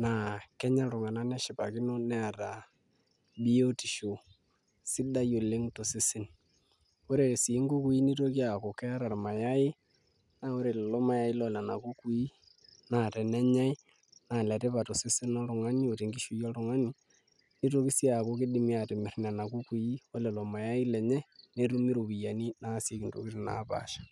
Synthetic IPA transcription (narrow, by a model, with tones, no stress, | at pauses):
na˨kɛ˦ɲa˦ɾʊ˨ŋa˨na˦nɛ˦ʃɪ˨pa˨kɪ˦no˦nɛ˦a˨ɾa˨ | bi˦o˦ti˨ʃo˨ | sɪ˦da˦jo˨le˦ŋto˨sɪ˦sɪ˦n | kʊ˦ɾe˨si˨˦ŋɡu˦ku˦i˦ni˦to˦ki˦a˨ko˨kɛ˦ɾa˨rma˨ja˦ɪ˦ | na˦˨o˦ɾe˨llo˦ma˦ja˦ɪ˦lɔ˨la˨na˨ku˦ku˨˦i˦ | na˨tɛ˨nɛ˦ɲa˦ɪ˦ | na˨lɛ˨te˦pa˨to˨sɪ˦sɪ˦nɔ˦ɾʊ˨ŋa˦ni˦o˨te˨ŋɡi˦ʃu˨jɔ˦ɾʊ˨ŋa˦ni˨ | ni˦to˦ki˦si˦a˨ko˦kɪ˦dɪ˨mi˦a˨tɪ˨mɪ˨rna˨na˨ku˦ku˨ji˦o˦lɛ˨lɔ˨ma˨ja˦ɪ˦lɛ˨ɲɛ˦ne˦tu˦mi˦ɾo˨bi˨ja˨ni˦na˦si˦ki˨nto̰˨kɪ˦ɾna̰˨˦pa̰˨ʃḁ˨